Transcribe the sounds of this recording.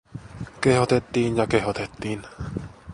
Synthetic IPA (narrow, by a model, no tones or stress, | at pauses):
kehot̪et̪ːiːnjɑkeɦot̪et̪ːiːn